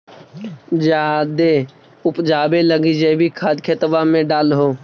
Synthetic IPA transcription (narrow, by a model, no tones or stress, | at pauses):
d͡ʒaːd̪e | ʊpd͡ʒaːbeləɡid͡ʒabʱikʰaːd̪kʰet̪əbamẽɖaːlɦoː